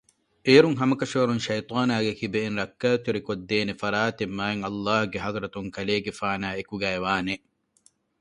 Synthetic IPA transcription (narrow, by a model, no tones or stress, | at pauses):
eːɾuŋɦɐmɐkɐʃoːɾunʃɐjt̪ˤɑːnaːɡekibeːnɾɐkːaːt̪iɾikod̪ːeːnefɐɾaːt̪emːaːeŋɐlːaːhuɡeɦɐðɾɐt̪uŋkɐleːɡefaːnaːekuɡæːeʋaːne